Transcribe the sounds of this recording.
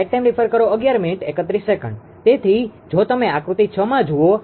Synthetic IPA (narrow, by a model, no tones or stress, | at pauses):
ek̚ʈɛmɾipʰəɾkəɾoəɡjaɾminiʈekət̪ɾisːekə̃ɳɖ | t̪et̪ʰid͡ʒot̪əmeakɾut̪it͡ʃʰəmãd͡ʒuo